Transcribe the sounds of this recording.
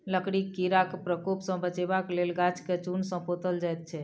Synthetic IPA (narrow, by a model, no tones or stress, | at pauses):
ləkɽikːiɾakpɾəkopsə̃bət͡ʃebaklelɡat͡ʃʰket͡ʃunsə̃pot̪əld͡ʒajt̪̚t͡ʃʰɛ